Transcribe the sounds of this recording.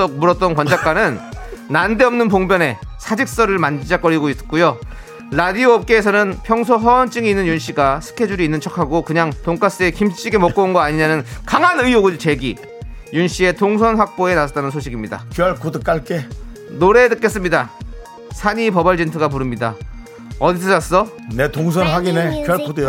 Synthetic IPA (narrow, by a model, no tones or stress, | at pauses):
ʌk̚muɾʌt̚t͈ʌnkwʌnd͡ʑak͈anɯnːande̞ʌmnɯnpoŋbjʌne̞sʰad͡ʑik̚s͈ʌɾɯɭmand͡ʑid͡ʑak͈ʌɾiɡois͈k͈ujo | ɾadioʌp̚k͈eːs̬ʰʌnɯnpʰjʌŋsʰoɦʌʌnt͡ɕ͈ɯŋiinːɯnjunɕ͈iɡasʰɯ̥kʰe̞d͡ʑuɾiːnːɯnt͡ɕʰʌkʰaɡokɯɲaŋtoŋk͈as͈ɯe̞kimt͡ɕ͈iɡe̞mʌk͈ounɡʌaɲiɲanɯnkaŋɦanɯijoɡɯɭt͡ɕe̞ɡi | junɕ͈ie̞toŋsʰʌnɸwak̚p͈oe̞nasat͈anɯnsʰoɕʰiɡimɲida̰kjʌɭkodɯk͈aɭk͈e | noɾe̞dɯk͈es͈ɯmɲida | sʰaɲipʌbʌɭd͡ʑentʰɯɡap̬uɾɯmɲida | ʌdis̬ʰʌas͈ʌ | ne̞toŋs̬ʰʌnɦaɡinekjʌɭkodɯ